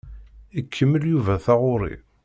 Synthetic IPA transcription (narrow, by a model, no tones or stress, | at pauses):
ikʰːəmːəljuvæθɑʁʊɾˤḭ